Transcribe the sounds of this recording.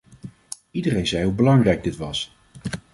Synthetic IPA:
idərejnzɛjɦubəlɑŋrɛjɡ̚dɪtʋɑs

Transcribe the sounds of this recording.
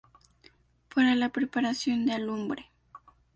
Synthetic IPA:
paɾalapɾepaɾasjond̪ealʊmbɾe

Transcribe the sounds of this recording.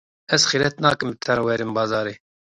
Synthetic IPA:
ɛzxiːɾɛt̪̚nɑ̰ːkɨmbt̪ʰɛɾwɛɾimbɑːzɑːɾeː

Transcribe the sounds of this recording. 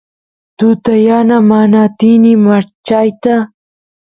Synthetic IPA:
d̪̥ut̪ajɑːnamaːnaːt̪inimaʈt͡ʃaːjt̪a

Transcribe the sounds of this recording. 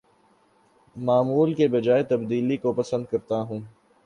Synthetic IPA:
maːmuːlkebɐd͡ʒaːet̪ɐbd̪iːlikopɐsə̃nd̪̚kɐɾt̪aɦũː

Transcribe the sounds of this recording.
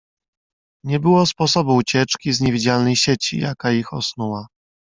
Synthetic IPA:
ɲɛbɘwɔspɔsɔbuːt͡ɕɛt͡ʂkʲizɲevʲid͡ʑalnɛjɕɛt͡ɕḭjakaixɔ̰snuwa

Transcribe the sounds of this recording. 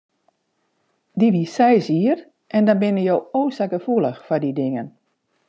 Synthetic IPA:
diʋisɛjziər | ʔɛndɔnbɪnəjowoːsaɡəfulˠəxfadidɪŋən

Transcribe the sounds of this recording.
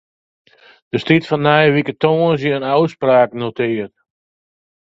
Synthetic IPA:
d̥əstitfɔnːɛjʋikətoːənsiəənawspraːknotɪːərt

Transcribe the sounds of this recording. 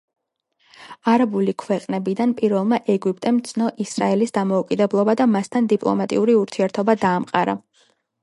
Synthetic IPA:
aɾabulikʰwɛqʼnɛbid̪anpʼiɾvɛlˠmaʔɛɡip̚ʼt̪ʼɛmt̪sʰnɔʔisɾaɛlisd̪amɔukʼid̪ɛblˠɔbad̪amast̪ʰand̪ipʼlˠɔ̰mat̪ʼḭuɾiuɾt̪ʰiɛɾt̪ʰɔbad̪aːmqʼaɾa̰

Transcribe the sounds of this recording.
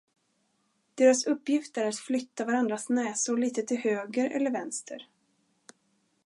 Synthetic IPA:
d̪̥eːɾasɵpːjɪft̪æɾat̪flʏt̪ːavaɾand̪ɾasnɛːsʊɭiːt̪ət̪ʰɪlhøːɡəɾɛ̰lːəɾvɛnst̪ʰə̰ɾ

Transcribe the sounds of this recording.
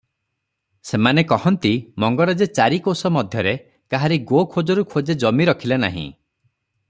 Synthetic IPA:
semanekɔhɔnt̪imɔŋɡɔɾed͡ʒet͡ʃaɾikosɔmɔd̪ʱjɔɾe | kaɦaɾiɡokʰod͡ʒɔɾukʰod͡ʒed͡ʒɔmiɾɔkʰilena̰ɦḭ̃

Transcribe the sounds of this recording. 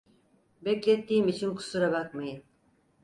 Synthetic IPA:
bɛclʲɛt̪ʰːiːmit͡ʃʰinkʰu̥suɾabak̚majɯn

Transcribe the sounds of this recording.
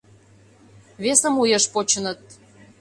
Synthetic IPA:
βesə̆mujeʃpot͡ɕə̆nə̆t̪̚

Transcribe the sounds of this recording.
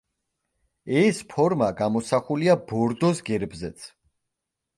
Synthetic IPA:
ɛspʰɔɾmaɡamɔsaχuliabɔɾd̪ɔsɡɛɾbzɛt̪sʰ

